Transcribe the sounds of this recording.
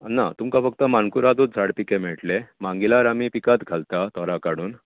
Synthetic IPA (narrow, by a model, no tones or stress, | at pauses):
nːa̰t̪umkafəkt̪əmankuɾad̪ut̪̚d͡zʱaɽpikemɛɭʈlemaŋɡilaɾamipikat̪ɡʱalt̪at̪ʰɔɾakaɽuːn